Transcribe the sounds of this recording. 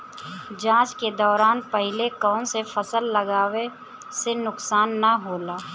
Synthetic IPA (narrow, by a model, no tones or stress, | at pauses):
d͡ʒãːt͡ʃked̪ɔːɾaːnpəɦɪlekɔːnsefʰəsəlːəɡaːʋe | senʊksaːnːaɦoːlaː